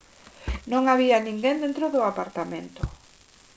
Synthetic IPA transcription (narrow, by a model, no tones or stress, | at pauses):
nõŋaβianĩŋɡẽnd̪ẽnt̪ɾoðʊapaɾt̪amẽnt̪ʊ